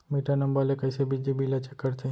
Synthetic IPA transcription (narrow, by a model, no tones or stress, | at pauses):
miːʈʰanɐ̃mbəlekɐɪsebid͡ʒibʱilɐt͡ʃəkːəɾt̪e